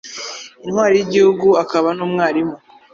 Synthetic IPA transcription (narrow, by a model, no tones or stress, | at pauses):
inhwaːɾijiɟihuɡuakaβanoːmŋaːɾimu